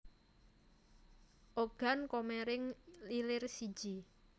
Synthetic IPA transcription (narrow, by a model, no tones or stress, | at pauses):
ʔoɡ̥ankomɛɾɪŋlilɪrsi̥d͡ʒ̥i